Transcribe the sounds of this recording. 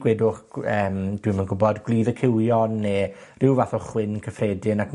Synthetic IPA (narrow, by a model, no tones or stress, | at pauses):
ɡ̥wɛdʊχəːmd̥wimənɡʊbɔdɡwlˠiːðəkʰɪwjɔnːeːrɪwvaθɔχwɪnkʰəfrɛːdɪnak